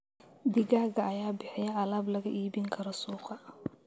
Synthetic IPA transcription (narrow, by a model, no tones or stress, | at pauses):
d̪ɪɣaːɣɐɐjaːbɪħɪjɐʔɐlaːblɐɣɐʔiːbɪŋkʰɐɾɔsuːqɑ